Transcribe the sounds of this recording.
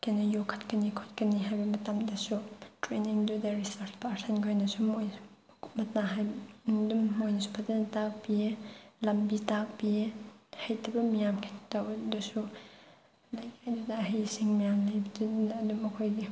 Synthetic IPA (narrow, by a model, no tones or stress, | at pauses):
kenɐjokʰɐ̥tkɐnikʰot̚kɐniɦajbɐmɐtɐmdɐsutɾeniŋdudɐɾisaɾt͡ʃʰpʰasʰɐnɡʰojnɐsumojn | mɐt̚naɦajbdumːojnɐsu̥pʰɐtɐnɐtak̚bilɐmbitak̚bihɐjtʰɐbɐmijamkʰentawdɐsu | lajkajdudɐːɦɐjsiŋmijamlajbɐdːdumɐkʰojɡi